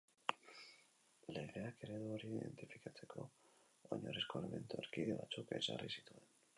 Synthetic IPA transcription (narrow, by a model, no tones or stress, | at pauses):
le̞ɣe̞ake̞ɾe̞ðuoɾiðe̞̰nt̪ifikat͡se̞kʰo̞̰ | oɲoɾesko̞leme̞nt̪ueɾkiðe̞βat͡suke̞za̰risi̥t̪ue̞n